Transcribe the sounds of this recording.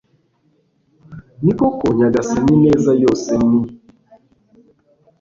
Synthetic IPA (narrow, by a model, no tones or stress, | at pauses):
nikɔkoɲaɡasaninɛzajɔsɛni